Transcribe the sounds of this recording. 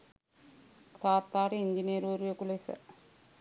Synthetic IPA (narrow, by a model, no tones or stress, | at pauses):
ktaːt̪ːaːɾeiɲd͡ʒinijɾuʋɐɾujekulesə̰